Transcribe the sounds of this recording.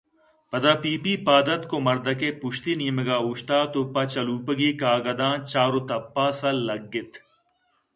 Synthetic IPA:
pɐd̪aːpiːpipaːd̪ɐt̪komɐɾd̪ɐkepʊʃt̪iniːməɡaːuʃt̪aːt̪opɐt͡ʃɐluːpəɡiːkaːɡɐd̪ãːnt͡ʃaːɾot̪ɐpːaːsɐːɐɡːɪt̪

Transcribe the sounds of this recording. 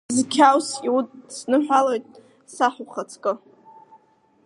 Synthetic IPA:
zkʲʰawsʼiwutʼsnɨħᶣʷalojtʼ | saħuχat͡sʰkʼɨ

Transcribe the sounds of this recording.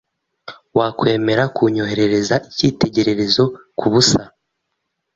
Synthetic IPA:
waːkwe̞ːme̞ɾakuɲo̞he̞ɾe̞ɾe̞zaiciːte̞ɟe̞ɾe̞ɾe̞zo̞ | kʰuβusa

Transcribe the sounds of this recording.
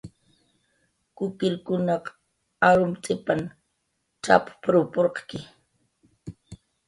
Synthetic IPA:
kʊkɪlkʊnɑq | aɾʊmt͡sʼɪpam | ʈ͡ʂa̰ppɾopoɾqkɪ

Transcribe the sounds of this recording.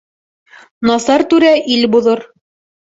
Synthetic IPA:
nɑsɑɾt̪ʉɾæʔilbuðoɾ

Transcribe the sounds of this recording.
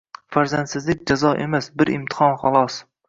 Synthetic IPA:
faɾzant̪sɪzlɪkʲd͡ʒazɒʔḛmasbɪɾɪ̰mt̪ʰɪ̥hɒnχɒlˠɒs

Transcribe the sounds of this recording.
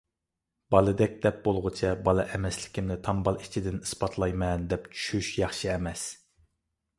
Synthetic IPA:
b̥ɑlˠɨd̪ɛkʲd̪ɛp̚bolˠʁʊt͡ʃʰɛbɑlˠɨʔɛmɛslɪ̥kʲimnɪt̪ʰɑmbɑlˠit͡ʃʰid̪ɪnɨspɑt̪ʰlˠɑjmɛnd̪ɛpt͡ʃʰy̥ʃyʃjɑχʃɨɛmɛs

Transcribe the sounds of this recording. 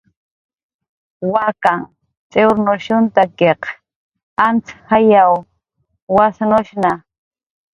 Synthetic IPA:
wakaŋ | t͡sʼeɾnʊʃʊnt̪akeq | ant͡shajaw | wasnʊʃna

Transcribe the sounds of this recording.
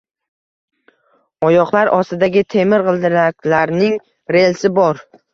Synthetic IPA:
ɒjɒqlˠaɾʔɒst̪ɪd̪aɡʲɪt̪ʰe̞mɪɾqʰɨlˠd̪ɪɾakʲlaɾnɪŋ | ɾe̞lsɪbɒɾ

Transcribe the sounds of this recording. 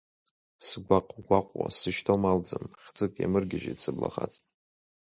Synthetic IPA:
sɡʷaqʼɡʷaqʷʼwa̰sɨʃtʰomald͡zɨmχʲd͡zɨkʼjamɨrɡʲɪʒḛdsɨblaχat͡sʼ

